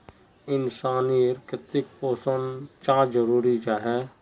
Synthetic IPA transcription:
ɪnsaːniɾkɾɪt̪ɪk̚poːsənt͡ʃãːd͡ʒəɾuːɾid͡ʒaɦɛː

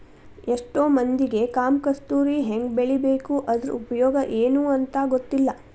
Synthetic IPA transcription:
eʂʈoːmɐnd̪iɡe̞kaːmkɐst̪uːɾiɦeŋɡbeɭibeːkuʔɐd̪ɾupɐjɔːɡɐʔeːnuːɐnt̪ɐɡot̪ːilːɐ

